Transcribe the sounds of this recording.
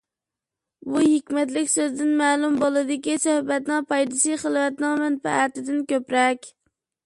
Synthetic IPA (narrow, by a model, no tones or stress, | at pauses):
buɦɪkʲmɛt̪̬lɪkʲsøzd̪ɪnmæːlˠumbolˠɨd̪ɪkʲisɔhbɛt̪nɪŋpɑjd̪ɨsɨχəlˠvɛt̪nɪŋmɛnpɛ̰æt̪ɪd̪ɪnkʲøpɾɛkʲ